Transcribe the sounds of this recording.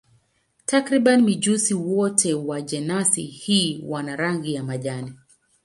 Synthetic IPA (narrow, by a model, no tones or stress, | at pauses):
takɾiɓanimid͡ʒusiwɔtʰɛwaʄɛnasḭhiːwanaɾaŋɡijamaʄani